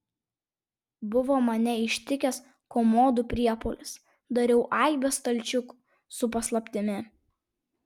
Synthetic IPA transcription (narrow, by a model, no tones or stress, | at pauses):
bʊʋoːmɐnʲɛɪʃʲt̪ʲɪkʲɛs | koːmoːd̪ʊpʲɾʲiɛpolʲɪs | d̪ɐɾʲɛʊʔɑˑɪbʲest̪ɐlʲt͡ʃʲʊkʊ̥ | sʊpɐslˠɐpʲt̪ʲɪmʲɪ